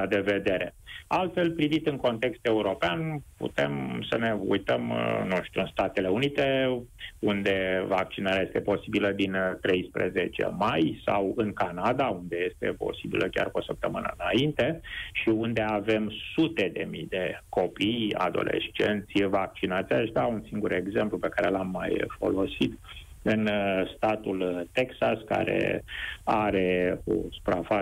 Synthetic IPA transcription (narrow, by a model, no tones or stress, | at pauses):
ad̪e̞ve̞d̪e̞ɾe̞̰alt̪fe̞lpɾivit̪ɨŋko̞nt̪e̞kst̪euɾo̞peanpṵt̪e̞̰msəne̞ṵjt̪əmnuʃt̪uɨnst̪at̪e̞le̞unit̪e̞ | und̪e̞vak̚t͡ʃinaɾeaje̞st̪e̞po̞sibiləd̪int̪ɾe̞jspɾḛzet͡ʃḛmajsawɨŋkanad̪aund̪e̞je̞st̪e̞̰po̞̰sibḭlʔəkʲa̰rkosəp̚t̪əmɨnə̰ɨnaint̪e̞ʃiund̪e̞ave̞msut̪e̞d̪e̞mijd̪e̞ko̞pija̰d̪o̞̰lʔe̞̰ʃt͡ʃe̞̰nt̪sʲvak̚t͡ʃinat̪sijaeʃt̪ʲaunsiŋɡuɾe̞ɡze̞mplupe̞kaɾe̞lamːajfo̞̰lo̞sit̪ | ɨnst̪at̪ult̪eksaska̰ɾe̞̰ | aɾe̞o̰su̥pɾafa